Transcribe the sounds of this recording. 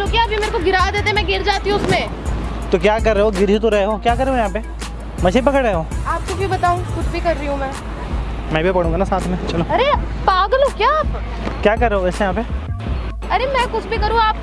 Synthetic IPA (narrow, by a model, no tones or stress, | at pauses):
t͡ʃloːkjaːpjimeːɾekoɡɪɾaːd̪eːt̪eɦɛ̃mɛ̃ɡɪɾd͡ʒaːt̪iɦũʊsmẽ | t̪okjaːkɐɾːeɦoɡɪɾɦit̪̬oɾɐɦeɦoːkjaːkɐɾːeɦojãːpe | mɐt͡ʃʰep̬ɐkəɽɐɦeɦoːaːp̚kokjobɐt̪aːũkʊt͡ʃʰbʱikɐɾːiɦũmɛ̃ː | mɛ̃ːbʱipɐɽ̤ũːɡaːnasaːt̪ʰmẽt͡ʃɐloːɐɾepaːɡlokjaaːp | kjaːkɐɾːeɦoɛːsejɦãːpe | ɐɾemɛ̃ːkʊt͡ʃʰbʱikɐɾũaːp̚